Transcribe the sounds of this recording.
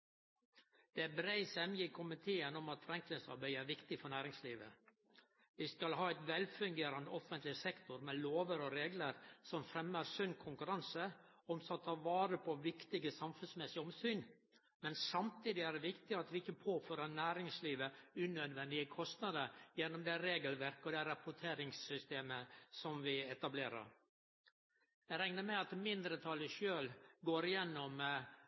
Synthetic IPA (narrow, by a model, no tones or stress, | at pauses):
d̪̥ɛbɾæɪsɛmjɪkʰʊmɪt̪ʰeːənɔmɑt̪fɾɛŋkləsɑ̰ɾbæɪæːɾʋɪkt̪ɪfɔɾɳæːɾɪŋsliːʋə | ʋɪskɑlɦɑːæɪt̪ʋɛlfʉŋɡeːɾɑnəɔfənt̪lɪsɛkt̪ʊɾmɛloːʋəɾɔɾeːɡləɾsɔmfɾɛməɾsʉnkʰʊŋkʉɾɑnsəɔmsɔt̪ʰɑːʋɑːɾəpʰɔʋɪkt̪ɪɡəsɑmfʉnsmɛsɪəɔmsyːn | mɛnsɑmt̪ʰiːd̪ɪæɖɛʋɪkt̪ɪɑt̪ʋɪɪçːəpʰoːføːɾənæːɾɪŋsliːʋəʉnœd̪ʋɛnd̪ɪəkʰɔst̪nɑd̪əɾjɛnːɔmd̪ɛɾeːɡəlʋæɾkəɔd̪æɾɑpʊʈʰeːɾɪŋsːʏst̪eːməsɔmʋɪɛt̪ɑbleːɾə̰ɾ | jæɪɾæŋnəɾmæɪɑt̪mɪnd̪ɾət̪ʰɑləʃøːlɡoːɾɪjɛnːɔm